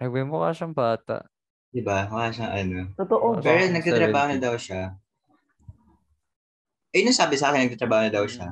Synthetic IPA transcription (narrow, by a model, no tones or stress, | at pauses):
ɐɡwɛmʊka̰ːʃɐŋbaːt̪a̰ʔ | d̪̥ɪbamɐkaːʃɐŋʔɐnot̪ot̪oʔopɛɾonɐɡ̪̚aːɾɐbaːhonɐd̪ɐwʃa | ʔɛnoŋsaːbɪsɐaːkɪnɐɡt̪at̪ɾɐbaːhoɐd̪ɐwʃa